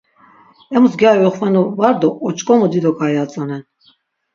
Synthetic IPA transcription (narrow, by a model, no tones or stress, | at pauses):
ɛmusɡiajɔχvanɔvaɾd̪ɔʔːt͡ʃʼkʼɔmɔd̪id̪ɔkʰajat͡sʼɔnɛn